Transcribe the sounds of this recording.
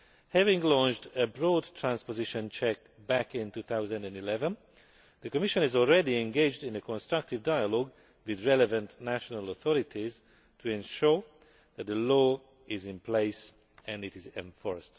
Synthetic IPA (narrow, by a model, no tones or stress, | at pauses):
hævɪ̃ŋlɔ̃nt͡ʃdəbɹɔdtʰɹæ̃nspozɪʃə̃nt͡ʃʰɛk̚ | bækɪ̃ntuːθawzə̃ndæ̃ndilɛvə̃n | ðəkɔmɪʃə̃nɪzɔlˠɹɛdiɛ̃nɡeɪd͡ʒdɪ̃nəkʰɔ̃nstɹ̥ʌk̚tɪvdajəlɔɡ | wɪðɹɛlɛvə̃ntnæʃɔnələθɔɾɪtʰiz | tʰuɛ̃nʃuɹ | ðæt̪̚ðəlɔː | ɪzɪ̃npleɪs | ɛ̃ndɪtɪzɛ̃ɱfɔɹst